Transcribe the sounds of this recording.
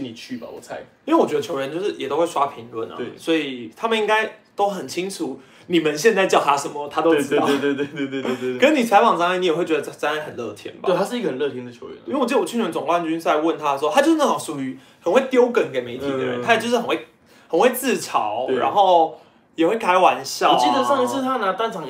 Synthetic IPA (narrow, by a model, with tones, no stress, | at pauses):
ni˨˩t͡ɕʰy˥˩ba̰˨wɔ˨˩t͡sʰa˧˥ɪi˥nwe˥˩wɔ˨˩t͡ɕɛ˧˦d̪ə˧t͡ɕʰjo˧˥ʊə˧˦nt͡ɕjo˥˧ʊʂɻ̩˥˩jɛ˨˩t̪o˥ʊwe˥˩ʂwa˥pʰi˧˥ŋlwə̰˨˩nɐ̰e˥˧swɔ˧˦˥i˨˩t̪ʰa˥mə˨ni˥ŋɡa˥ɪt̪o˥ʊxə˨˩nt͡ɕʰi˥ŋʈ͡ʂʰu˨˩˦ | ni˨˩mə˦nɕjɛ˥˧nt͡sa˥˧ɪt͡ɕjɑ˥˩ʊt̪ʰa˥ʂə˧˥nmə˨t̪ʰa˥t̪o˥ʊ˥˧ɑ˥˨˥t̪we˥˧ɪt̪we˥˧t̪we˥˧t̪we˥˧e˥˧e˥˧kə˦˥nni˨˩t͡sʰa˧˥ɪfɑ˨˩ŋʂɑ˥ŋa˥˩ni˨jɛ˨˩we˥˩ɪt͡ɕɥɛ˧˥d̪ə˧˥t͡sa˥n˥˩hə˨˩nlɤ̰˥˨t̪ʰjɛ̰˧˥nbḁ̰˨e˥˧˨a˥ʂɻ̩˥˩i˥ɡə˧hə˨˩nlɤ˥˧t̪ʰjɛ˥nd̪ə˩t͡ɕʰjo̰˧ʊɥɛ̰˧˦n˥we˩wy˥˩˧n˧t͡sʊ˨˩ŋkwa˥˧nt͡ɕy˥˦nt͡sa˥˩˧ɪwə˥˩nt̪ʰa˥˧swɔ˥tʰa˥t͡ɕo˥˧ʊʂ̩˥na˥˩ɑ˧˥ŋʂu˨˩y˧˥ | hə˨˩nwe˥˩ɪt̪jo˥ʊkə˨˩nke˨˩ɪme˧ɪt̪ʰi˨˧˨d̪ə˦ɻə̰˦nt̪ʰa˥˨˩t͡ɕo˥˧ʂɻ̩˥xə˨˩nwe˥˩ɪ | hə˨˩nwe˥˧ɪt͡sɹ̩˥˨˩ʈ͡ʂʰɑ̰˨˧˦ʊɻa̰˧˦nxo˥˧˩ʊ | jɛ˨˩xwe˥˩ɪkʰa˧˥ɪwa˧˦nɕjɑ˥˨t͡ɕi˥d̪ə˨˦ʂɑ˥˧ŋ˧ʂɻ̩˥˧t̪ʰa˥na˧˥t̪a˥˧nʈ͡ʂʰɑ˨˦ŋ